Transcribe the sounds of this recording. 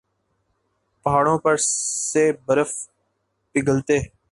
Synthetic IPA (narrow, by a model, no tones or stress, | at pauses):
pəɦaːɽõːpəɾseːbəɾəf | pɪɡəlt̪eː